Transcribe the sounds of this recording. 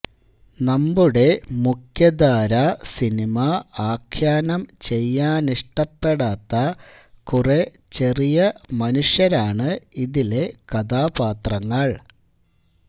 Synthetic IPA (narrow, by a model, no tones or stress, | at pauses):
nɐmbuɽe̞mukʰjɐd̪aːɾɐsinimaaːkʰjaːnɐmt͡ɕe̞jːaːniʂʈɐpːe̞ɽaːt̪ːɐkure | t͡ɕe̞rijɐmɐnuʂjɐɾaːɳɨiðile̞kɐd̪aːbaːt̪rɐŋːɐɭ